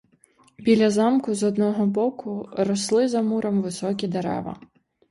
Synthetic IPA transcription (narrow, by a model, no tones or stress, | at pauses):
bʲilʲɐzɑmkʊzɔd̪nɔɦɔbɔkʊɾɔslˠɪzɐmuɾɐmʋɪsɔkʲid̪eɾɛ̰ʋɐ̰